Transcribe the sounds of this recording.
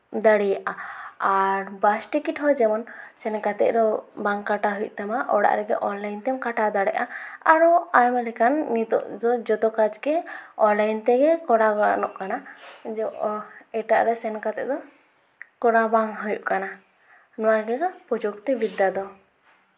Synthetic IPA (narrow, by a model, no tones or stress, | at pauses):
d̪aɽijaʔaaɾbasʈikiʈɦɔd͡ʒɛmɔnsɛnkat̪ɛ̰ʔɾɔbaŋkaʈaɦuj̰ʔ̚t̪ɛmaʔɔɽa̰ʔɾɛɡɛ̰ʔɔnlajnt̪ɛmkaʈad̪aɽɛʔaaɾɔajmɛlɛkanːit̪ɔ̰ʔd̪ɔd͡ʒɔt̪ɔkad͡ʒɡɛɔnlajnt̪ɛɡɛkɔɽaɡɔa̰ʔnɔʔkanad͡ʒɔɛʈaʔɾɛsɛnkat̪ɛ̰ʔd̪ɔ | kɔɽabaŋɦujṵʔkana | nɔwaɡɛɡapud͡ʒɔkt̪ɛbid̪ːad̪ɔ